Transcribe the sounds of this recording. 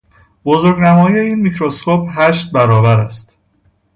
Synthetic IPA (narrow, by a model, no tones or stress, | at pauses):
bozoɾɟnæmɒːjijeiːnmicʰɾoskʰopɦæʃt̪̚bæɾɒːbæɾæst̪